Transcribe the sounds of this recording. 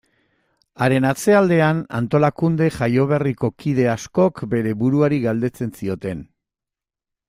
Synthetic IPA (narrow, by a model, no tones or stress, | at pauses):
aɾe̞nat͡se̞ald̪e̞ana̰nt̪o̞lakund̪e̞ʝajo̞β̞eriko̞kið̞e̞asko̞kbe̞ɾe̞βuɾuaɾiɣald̪e̞t͡se̞nsio̞t̪e̞n